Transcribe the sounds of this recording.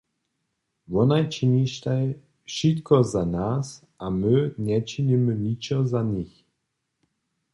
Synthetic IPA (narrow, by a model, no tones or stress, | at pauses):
vɔnajt͡ʃiniʃt̪aj | ʃit̪kɔzanas | ʔamɪɲɛt͡ʃiɲimɪɲit͡ʃɔzaɲix